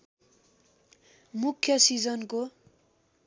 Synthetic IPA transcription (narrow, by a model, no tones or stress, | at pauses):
mukʰːjʌsid͡zʌnko